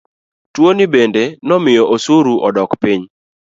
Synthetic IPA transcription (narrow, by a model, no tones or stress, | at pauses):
twonibendenɔmɪjɔʔosuɾuʔɔdɔkpiɲ